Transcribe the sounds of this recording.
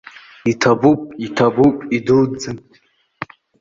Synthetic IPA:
itʰabupʼitʰabupʼiduld͡zɨnʼ

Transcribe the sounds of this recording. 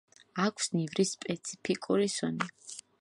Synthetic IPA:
akʷʰsnivɾispʼɛt̪sʰi̥pʰikʼuɾisɔni

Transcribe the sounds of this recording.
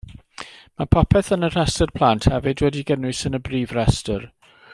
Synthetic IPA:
mapʰɔpʰɛθənər̥ɛstɔrpʰl̥ˠantʰhɛvɨdwɛdiɡənɨsənəbriːvrɛstɔr

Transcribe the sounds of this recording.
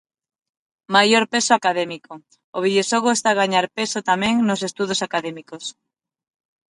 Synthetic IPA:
majoɾpesoakaðɛmiko | oβ̞iðjoʃoɣoest̪aɣaɲaɾpesot̪amɛ̃ŋnos̬est̪uð̞osakaðemikos

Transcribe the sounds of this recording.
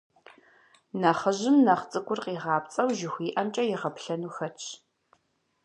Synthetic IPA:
nɐχəʑɪmnɐχt͡sʼɨɡʷʼʊrqiːʁɑːpt͡sʼɐwʒɪxʷiːʔɐmt͡ʃʼɐjɪʁɐpɬɐnuːxɐt͡ʃʰ

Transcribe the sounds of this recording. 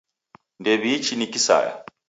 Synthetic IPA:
ndeβit͡ʃinikisa̰ja̰

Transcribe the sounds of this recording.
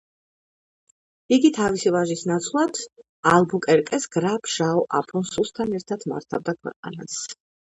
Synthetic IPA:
iɡit̪ʰavisivaʒisnat̪sʰvlˠat̪ʰ | alˠbukʼɛɾkʼɛsɡ̥ɾapʰʒaɔʔapʰɔnsust̪ʰanɛɾt̪ʰat̪ʰma̰ɾt̪ʰavd̪akʰwɛ̰qʼa̰nas

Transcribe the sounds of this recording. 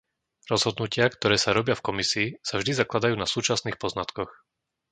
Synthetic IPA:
ɾɔzɦɔd̪nucɪakt̪ɔɾɛːsaɾɔbɪafkɔmisiːsavʒd̪izaklad̪ajuːnasuːt͡ʃasniːxpɔznat̪kɔx

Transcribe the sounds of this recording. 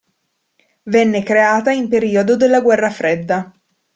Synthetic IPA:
vɛnːekɾeaːt̪aimpeɾiːod̪od̪elːaɡwɛrːafɾed̪ːa

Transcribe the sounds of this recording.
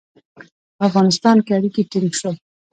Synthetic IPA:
afɣɑnɪst̪ɑnkeaɾikiʈɪŋʃo

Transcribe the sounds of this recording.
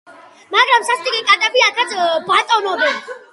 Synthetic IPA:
maɡɾamsasʰt̪ʼikʼikʼat̪ʼapiakʰat͡s̪ʰbat͡sʼɔnɔb̪ɛn

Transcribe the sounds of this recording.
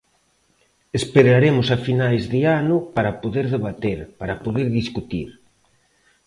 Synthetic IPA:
espeɾaɾemʊsafinajzðɪanʊpaɾɐpoðeɾðeβat̪eɾpaɾapoðeɾðiskut̪iɾ

